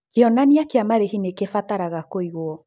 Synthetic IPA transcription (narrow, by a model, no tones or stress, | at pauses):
keɔnaniakeamaɾehinekefataɾaɣakoiɣoɔ